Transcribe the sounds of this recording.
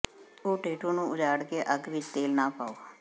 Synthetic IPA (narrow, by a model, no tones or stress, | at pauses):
oːʈeːʈõːnũːʊd͡ʒaːɽkeːʔəɡʋɪt͡ʃt̪eːlnaːpaːoː